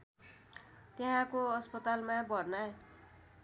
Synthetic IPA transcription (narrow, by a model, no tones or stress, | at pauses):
t̪eɦãkoʌspʌt̪almabʌɾna